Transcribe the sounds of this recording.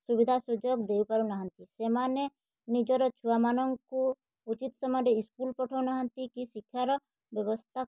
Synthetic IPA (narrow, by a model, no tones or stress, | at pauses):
subid̪ʱasud͡ʒɔkd̪eupaɾunaɦɔnt̪isemane | nid͡ʒɔɾɔt͡ʃʰuamanɔŋku | ut͡ʃit̪sɔmɔɾeiskulpɔʈʰɔunaɦɔnt̪ikisikʰːjaɾɔ | bjɔbɔst̪ʰa